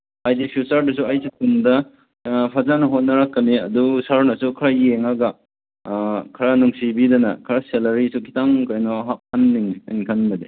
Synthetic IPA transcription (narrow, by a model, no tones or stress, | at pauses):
ajdipʰiusaɾdɐs̬uajsikʰundɐ | pʰɐzanɐɦot̚nɐɾakːɐniɐ̰dusaɾnɐsukʰɐɾajeŋaɡɐ | kʰɐɾanuŋsibidɐnɐ̰kʰɐɾaselɐɾisukʰi̥taŋkajnɔɦak̚hanːiŋɐnikʰanbɐde